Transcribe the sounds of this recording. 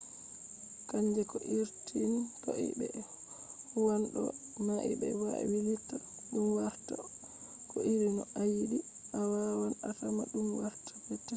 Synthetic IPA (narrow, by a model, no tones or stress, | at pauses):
kaɲd͡ʒɛkɔʔiɾtʰinkɔʔḭbɛ̰ | huwanɗɔ̰ | naʔḭbɛ̰waɛ̰wilitːa | ɗumwahta̰ | kɔʔiɾinɔʔajiɗi | ʔawawanasama̰ɗumwahtʰḁpɛtːɛ